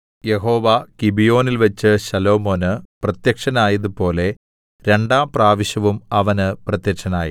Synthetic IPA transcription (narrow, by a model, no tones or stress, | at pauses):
je̞ɦo̞ːʋɐkibijo̞ːnilʋɐt͡ɕːɨɕɐlo̞ːmo̞ːnɨprɐt̪jɐkʂɐnaːjɐðupo̞ːle̞ | ɾe̞ɳɖaːmpraːʋiɕɐʋumɐʋɐnɨprɐt̪jɐkʂɐnaːjḭ